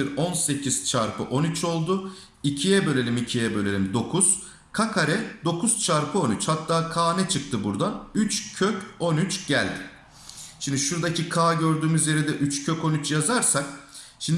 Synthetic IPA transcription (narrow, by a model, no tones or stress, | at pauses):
iɾo̞nse̞cʰiz̥t͡ʃʰaɾpʰɯ̰ʔo̞nyt͡ʃʰo̞lˠd̪ʊ | icʰijɛbø̞lʲe̞lʲimicʰijɛbølʲe̞lʲimd̪o̞kʰuz̥ | kʰakʰaɾɛd̪o̞kʰuz̥t͡ʃʰaɾpʰɯo̞nyt͡ʃhat̪ːaːkʰaːnɛt͡ʃʰɯk̚t̪ʰɯbuɾd̪anyt͡ʃcʰøco̞nyt͡ʃɟ̥ælʲd̪ɪ | ʃimd̪iʃuɾd̪acʰikʰaːɟø̞ɾd̪yːmyzje̞ɾɛd̪ɛʔyt͡ʃcʰøco̞nyt͡ʃjazaɾsak | ʃimnd̪